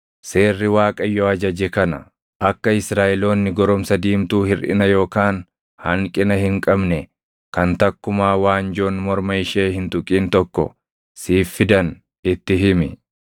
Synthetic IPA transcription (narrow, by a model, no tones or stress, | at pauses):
se̞ːrːɪwaːkʼɐjɔɐd͡ʒɐd͡ʒɛkɐnɐ̰ | ʔɐkːɐɪsɾaːʔɛlo̞ːnːɪɡɔɾɔmsɐd̪iːmt̪uːhɪɾʔɪ̰nɐjo̞ːkaːn | hɐŋkʼɪnɐhɪŋkʼɐbnɛ | kɐnt̪ɐkːʊmaːwaːnd͡ʒo̞ːnmɔɾmɐɪʃeːhɪnt̪ʊkʼiːnt̪ɔkːɔ̰ | siːfːɪd̪ɐn | ɪt̪ːɪɦɪmɪ